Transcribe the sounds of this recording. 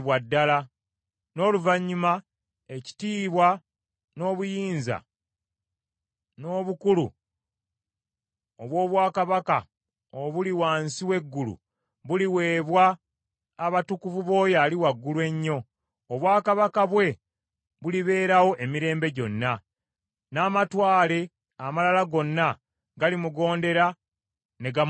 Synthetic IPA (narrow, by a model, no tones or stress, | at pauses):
βwadːala | no̞ːluvaɲːuma | e̞ci̥tiːβwa | no̞ːβujiːnza̰ | no̞ːβukulṵ | oβwo̞ːβwaːkaβaka | oβuliwaːnsiwe̞ɡːulṵ | βuliwe̞ːβwaː | βatukuvuβo̞ːjaːliwaɡːulwe̞ɲːo̞ː | βwaːkaβakaβwe̞ | βuliβe̞ːɾawo̞ʔemiɾe̞ːmbe̞ɟo̞nːa | naːmatwaːle̞ | amalalaɡo̞nːa | ɡalimuɡo̞ːnde̞ɾa | ne̞ɡa